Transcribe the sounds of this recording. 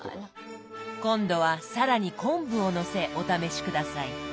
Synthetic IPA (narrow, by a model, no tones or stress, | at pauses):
kõ̞nd̪o̞βasaɾaɲ̟ikõ̞mbɯ̟̃o̞no̞se̞ʔo̞t̪ame̞ɕi̥kɯ̟d̪asai